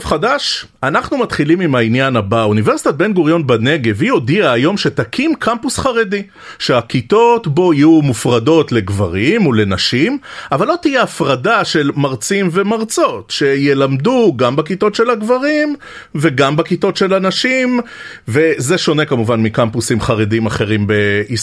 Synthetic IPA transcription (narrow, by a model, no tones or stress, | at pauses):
vχadaʃ | anaχnumat̪χilimimainjanabaunive̞ʁsi̥t̪at̚benɡuʁjo̞nbane̞ɡe̞vijo̞diaːjo̞mʃe̞t̪akʰimkʰampusχaʁe̞di | ʃeakit̪o̞t̪bo̞ijumufʁado̞tle̞ɡva̰ʁimole̞naʃimavalːo̞t̪ijeafʁadaʃe̞lmaʁt͡simve̞maʁt͡so̞t̪ʃe̞je̞lamd̪uɡambekito̞tʃe̞laɡvaʁim | ve̞ɡambakito̞tʃe̞lanaʃim | ve̞ze̞ʃo̞ne̞kamuvanmikampusimχaʁedimaχe̞ʁimbe̞is